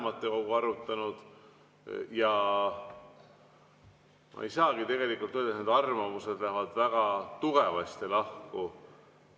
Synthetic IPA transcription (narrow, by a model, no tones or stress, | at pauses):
mɑt̪ːˑe̞ko̞ɡ̥uɑɾut̪ːˑɑnud̪̥ | jɑ | mʔɑ̰ḛjsɑːɡ̥it̪e̞ɡe̞likːˑult̪ːød̪ned̪ɑrmɑmuse̞d̪læɦvɑd̪̥væɡ̥ɑt̪uɡ̥e̞vɑst̪elɑhku